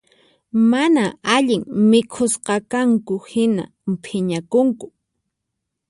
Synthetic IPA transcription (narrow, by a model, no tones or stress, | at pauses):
manaaʎɪŋmɪkʰʊsqɑkaŋkʊhɪna̰ | mpʰɪɲakʊŋkʊ̥